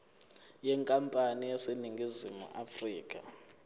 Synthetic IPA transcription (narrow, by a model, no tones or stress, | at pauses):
jɛŋkʼampʼanijɛseniŋɡʱizimṵʔafriːk̬ʼa̰